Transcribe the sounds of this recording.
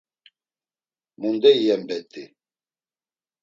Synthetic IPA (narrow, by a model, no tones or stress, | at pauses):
mund̪ɛijɛmbɛt̪ʼːi